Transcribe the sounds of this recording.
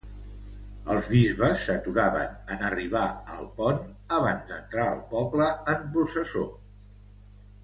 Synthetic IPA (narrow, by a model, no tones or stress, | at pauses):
əlˠzβizβəsːət̪uɾaβə̰nənəriβ̞aə̰lˠpɔn | əβ̞anzd̪ənt̪ɾaə̰lˠpɔpləəmpɾusəso